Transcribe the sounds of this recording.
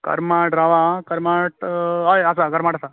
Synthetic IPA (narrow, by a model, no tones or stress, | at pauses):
kɐ̰ɾmaʈɾaʋãkɐɾmaʈɦajasakəɾmaʈasa